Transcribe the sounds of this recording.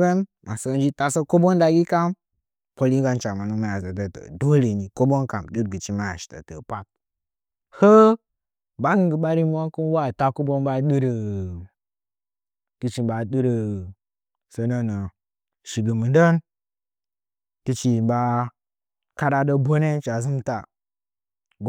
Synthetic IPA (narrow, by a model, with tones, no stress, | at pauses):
ə˦nma˨sə˦n˦d͡ʒi˦ta˨sə˦ko˦bo˦nda˨ɡi˦ka˦m | po˦li˦ɡa˦nt͡ʃa˨ma˨nu˦ma˦˨ja˨zə˨tə˦tə̰˨do˦le˨ni˨ko˦bo˦nka˨mɗɨ˦ɾɡɨ˨t͡ʃi˦ma˦ja˨ʃi̥˨tə̰˨tə̰˨pa˦t̚ | hə˦ | ba˦ɡɨ˦ŋɡə˨ɓa˦ɾi˦m˦wa˦ku˦n˦wa˦˨ta˦ko˦bo˦nba˦ɗɨ˦ɾə˨ | ɡ̥i˨t͡ʃi˨ba˨ɗɨ˦ɾə˨ | sə˨˦nə˦nə˨ | ʃi˨ɡə˨mɨ˨də˦n | ti˦t͡ʃi˨ba˦ | ka˦ɾa˦də˦bo˦ne˦t͡ʃa˨zɨ˦mta˨